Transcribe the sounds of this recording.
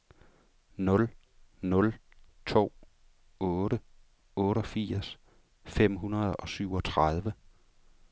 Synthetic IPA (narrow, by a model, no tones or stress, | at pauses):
nɔ̽l | nɔ̽l | t͡sʰo̝̰ː | ɔ̽ːɾə | ɔ̽ːɾɒ̽fiɐs | fem̰ɦunɐð̞ˠɒ̽syʊ̰ɒ̽t͡sʰʁað̞ˠʋə